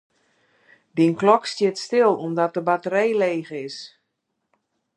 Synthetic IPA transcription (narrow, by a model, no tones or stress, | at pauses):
dinklɔkstjɪtstɪlˠumdɔt̚əbatəɾejleːɣəɪs